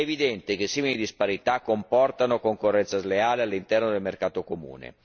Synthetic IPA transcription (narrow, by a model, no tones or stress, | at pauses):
evid̪ɛnt̪ek̟esiːmilid̪ispaɾit̪akːompɔrt̪anokoŋkorːɛnt̪sazleaːlealːint̪ɛrnod̪elmerkaːt̪okomṵːnḛ